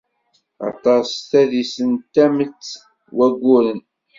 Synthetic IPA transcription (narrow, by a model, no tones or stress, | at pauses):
ɑ̰t̪ˤɑst̪æðisənt̪ːæmət͡sː | wæɡʷːʊɾən